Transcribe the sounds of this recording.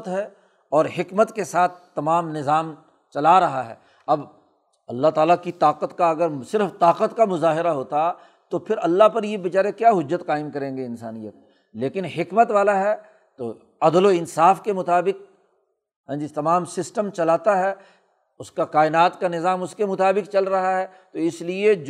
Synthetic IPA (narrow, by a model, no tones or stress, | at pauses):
t̪ɦɛ | ɔːɾɦɪkmət̪kesaːt̪ʰt̪ːɐmaːmnɪzaːm | t͡ʃɐlaɾɐɦaɦɛ̰ː | ɐb | ɐlːaɦt̪aːlakit̪aːqət̪kaɐɡəɾsɪɾft̪aːqət̪kamʊzaːɦɪɾaɦoːt̪aɦɛ | t̪opʰɪɾɐlːaɦpɐɾjebɐt͡ʃaːɾekjaːɦʊd͡ʒːət̪qaːɪmkɐɾẽːŋɡeɪnsaːnijət̪̚ | leːkɪnɦɪkmət̪ʋaːlaɦɛː | t̪o̰ | ɐd̪loɪnsaːfkemʊt̪aːbɪq̚ | ɦɛ̃ːd͡ʒit̪ɐmaːmsɪsʈəmt͡ʃɐlaːt̪aɦɛː | ʊskaqaːɪnaːt̪kanɪzaːmʊskemʊt̪aːbɪkt͡ʃɐlɾɐɦaɦɛː | t̪oɪslie